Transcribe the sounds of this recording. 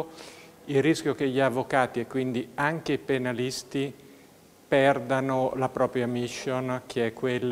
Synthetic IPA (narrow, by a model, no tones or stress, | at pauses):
ilriskʲjokeʎːiavːokaːt̪iɛkːwind̪iaŋkeipenalist̪i | pɛrd̪anolapɾɔːpɾjamiʃːonk̟ʰeɛkːwelː